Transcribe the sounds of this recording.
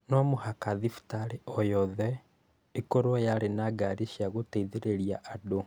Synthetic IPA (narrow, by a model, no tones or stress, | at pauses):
nɔmohakaðifu̥taɾeʔɔjɔðɛ | ekoɾwɔjaɾenaɡaɾiʃjaɣoteiðeɾeɾiaʔado